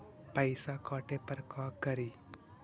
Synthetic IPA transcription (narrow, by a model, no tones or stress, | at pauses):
pəjsakɔːʈepəɾkaːkəɾiː